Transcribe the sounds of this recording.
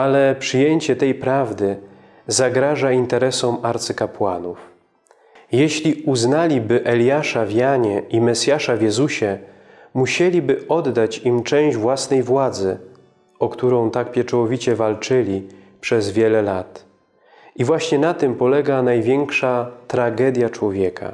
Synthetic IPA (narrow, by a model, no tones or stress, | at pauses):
alɛpʂɘjeɲt͡ɕɛt̪ɛjpɾavd̪ɘ | zaɡɾaʐaint̪ɛɾɛsɔmaɾt̪sɘkapwa̰nuf | jeɕlʲiuznalʲibɘʔɛlʲjaʂavʲjaɲɛʔimɛsʲjaʂavʲjɛzuɕɛ | muɕelʲibɘɔd̪ːat͡ɕimt͡ʂɛ̃w̃ʑd͡ʑvwasnɛjvwad̪zɘ | ɔkt̪uɾɔ̃w̃t̪ak̚pʲjɛt͡ʂɔwɔvʲit͡ɕɛvalt͡ʂɘlʲi | pʂɛzvʲjɛlɛlat̪ | ivwaɕɲɛnat̪ɘmpɔlɛɡanajvʲjɛŋkʂat̪ɾaɡɛd̪ʲjat͡ʂwɔvʲjɛka̰